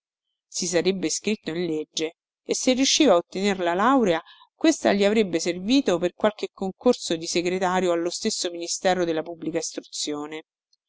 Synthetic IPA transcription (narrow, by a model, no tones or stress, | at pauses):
sisaɾebːeskɾit̪ːoinled͡ʒːeː | sːerːjuʃːiːvaot̪ːenerlalawɾea | kwest̪a̰ʎiavɾebːeserviːt̪operkwalk̟ekʰːoŋkorsod̪iseɡɾet̪aːɾjoalːost̪esːominist̪ɛːɾod̪elːapubːlikaist̪ɾut̪sːjoːne